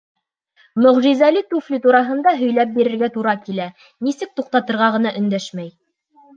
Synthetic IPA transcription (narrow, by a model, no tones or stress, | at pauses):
mɵ̆ʁʒizælit̪uflʲit̪uɾɑɦɤ̆nd̪ɑɦɵ̆jlæp̚biɾɘ̆ɾɡæt̪uɾɑkilæ | nisɘk̚t̪uq̚t̪ɑt̪ɤ̆ɾʁɑʁɤ̆nɑʔɵ̆nd̪æʃmæj